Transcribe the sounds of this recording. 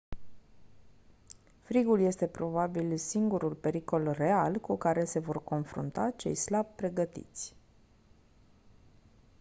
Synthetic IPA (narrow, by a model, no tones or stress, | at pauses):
fɾiɡulje̞st̪e̞pɾo̞babilsiŋɡuɾulpe̞ɾiko̞lre̞alkukaɾe̞se̞vo̞rko̞nfɾṵnt̪at͡ʃe̞̰jslab̚pɾe̞ɡət̪ḭt̪sʲ